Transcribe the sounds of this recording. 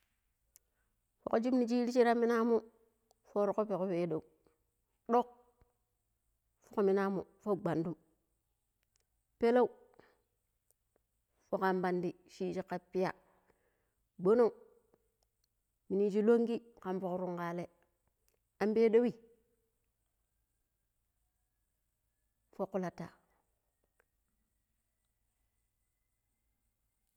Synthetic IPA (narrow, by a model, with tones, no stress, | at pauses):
fo̰˨ko˦d͡ʒi˦mni˨t͡ʃi˦ɾi˦t͡ʃi˦ɾa˦mːi˦na˦mu˦ | fo˦ɾo˨ko˦pe˨ko˦pe˨˦do˨u˨ | ɗo˦k̚ | fo˦ko˨mi˨na˦mṵ˨fo˦ɡ͡ba˨ndu˦m | pe˦lo˦u˦ | fo˨ka˨mba˨ndi˨ʃi˦t͡ʃi˦kːa˦pːi˦ja̰˨ | ɡ͡bo˦no˦˨u˨ | mi˨ni˦d͡ʒi˦lo˦ŋɡi˦ka˨mfo˨kɾu˦ŋka˨le˨ | a˨˦mbe˦do˦wi˦ | fo˦ku˦la˨ta˨